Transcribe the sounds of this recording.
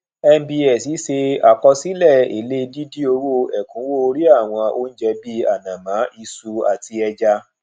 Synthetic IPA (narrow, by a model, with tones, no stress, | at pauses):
ɛ˧m̩˦bi˧ɛ˨si˨˦se˧a˨kɔ˧si˦lɛ˦˨ḛ˨le˦˧di˦di˦o˧wo˦˨ɛ˨kũ˨˦wo˦˨˧ɾi˦a˦˨w̃ɔ̃˧o˧n̩˦d͡ʒɛ˧bi˧a˨nã˨mã˨˦ʔi˧su˧a˨ti˧ɛ˧d͡ʒa˧